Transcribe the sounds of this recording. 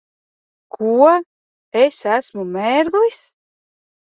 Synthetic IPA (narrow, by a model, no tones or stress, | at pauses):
kʰuɔ | esæsmumɛːɾd̪ujs